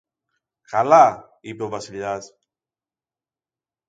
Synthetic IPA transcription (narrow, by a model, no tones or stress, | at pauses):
kala | ipeovasiʎas